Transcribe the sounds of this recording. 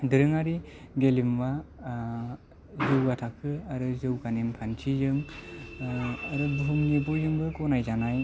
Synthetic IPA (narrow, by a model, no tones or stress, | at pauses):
dɯɾɯŋaɾiɡelimba | zɯwɡatʰakʰɯaɾɯzɯwɡanempʰant͡ʃʰizɯŋ | aɾɯbuɦɯmnibɔjzɯŋbɯkɔnajzanaj